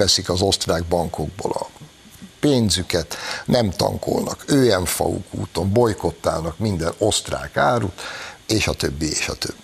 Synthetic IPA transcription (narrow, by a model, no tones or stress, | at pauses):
ɛsikɒzo̞st̪raːɡ̚bɒŋko̞ɡ̚boːlɒ | peːnzykɛt̪nɛmt̪ɒ̰ŋkʰo̞̰lnɒkøːjɛɱfɒ̰ṵkṵːt̪o̞mbo̞jko̞t̪ːa̰ːlnɒkmind̪ɛno̞st̪ra̰ːkaːɾut̪eːʃɒt̪øbːieːʃɒt̪øbːi